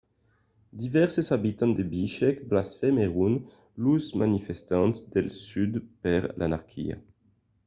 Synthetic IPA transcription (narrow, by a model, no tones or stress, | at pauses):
d̪ivɛʁsezabit̪ɑ̃nd̪ebiʃɛkblasfɛmeʁun | lusmanifɛst̪ɑ̃nsd̪ɛlsyd̪pɛʁlʔa̰naʁkʰḭa̰